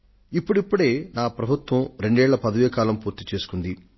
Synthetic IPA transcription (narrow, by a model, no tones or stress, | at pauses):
ipːuɽipːuɽe̞ːnaːpɾɐbʱut̪ʋɐmɾe̞ɳɖɛːɭːɐpɐd̪ɐʋeːkaːlɐmpuːɾt̪it͡ʃe̞ːsu̥kund̪i